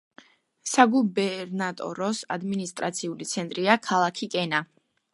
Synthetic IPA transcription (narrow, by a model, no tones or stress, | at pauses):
saɡubɛɾnat̪ʼɔ̰ɾɔsa̰d̪minist̪ʼɾa̰t̪sʰiulit̪sʰɛnt̪ʼɾiakʰalˠakʰikʼɛna